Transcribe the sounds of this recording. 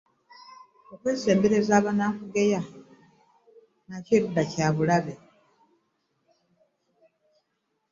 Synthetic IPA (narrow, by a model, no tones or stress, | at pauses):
okwe̞ːse̞ːmbeɾe̞zaːβanakuɡeja | naciɾudacaːβulaβe̞